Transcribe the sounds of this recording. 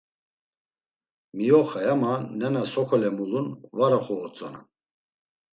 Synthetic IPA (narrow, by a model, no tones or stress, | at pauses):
mijɔχajamanːɛnasɔkʰɔlɛmulunvaɾaχɔːt͡sʼɔna̰